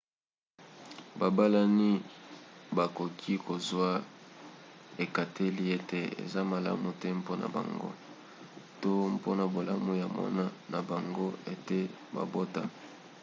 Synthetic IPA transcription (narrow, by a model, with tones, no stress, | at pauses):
ba˨ba˦la˦ni˦ | ba˨ko˨kʰi˦ko˨zwa˦ | e˨ka˨tʰe˦li˦e˦te˨ḛ˨za˦ma˨la̰˦mu˨tɛ˦mpo˦na̰˨ba̰˨ŋɡo̰˦ | to˦mpo˦na˨bo˨la˦mu˨ja˨mɔ̰˦na˦na˨ba˨ŋɡo˦e˨te˦ | ba̰˨bo˦ta˦